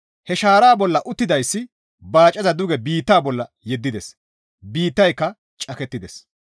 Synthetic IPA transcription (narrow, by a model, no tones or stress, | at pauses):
hɛʃaːɾaːbɔlːɐʔʊt̪ːɪd̪ɐjsːɪ | baːt͡ʃʼːɐzɐd̪ʊɡɛbiːt̪ːaːbɔlːɐ | jɛd̪ːɪd̪ɛs | biːt̪ːɐjkːɐ | t͡ʃʼɐkɛt̪ːɪd̪ɛs